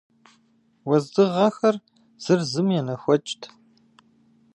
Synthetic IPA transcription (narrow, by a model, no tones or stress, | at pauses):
wɐzdɨʁɐxɐr | z̥ɨrzɨmjɛnɐxʷɔt͡ʃʼtʰ